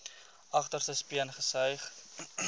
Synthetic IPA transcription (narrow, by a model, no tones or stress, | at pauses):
ʔɐχtərsəspiənχəsœjχ